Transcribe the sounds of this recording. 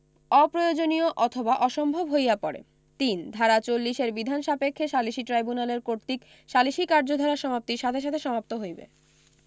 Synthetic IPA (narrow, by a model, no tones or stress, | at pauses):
ɔpɾojod͡ʑonioʔɔt̪ʰobaʔɔʃɔmbʱobɦojapɔɾḛ | t̪ind̪ʱaɾat͡ɕolːiʃeɾbid̪ʱanʃapekʰːeʃaliʃiʈɾajbunaleɾkoɾt̪ik | ʃaliʃikaɾd͡ʑod̪ʱaɾaʃɔmap̚t̪iɾʃat̪ʰeʃ̬at̪ʰeʃɔmap̚t̪oɦojbḛ